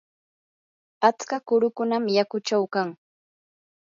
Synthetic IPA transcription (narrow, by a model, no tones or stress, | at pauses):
at͡skakʊɾʊkʊnamjakʊt͡ʃawkaŋ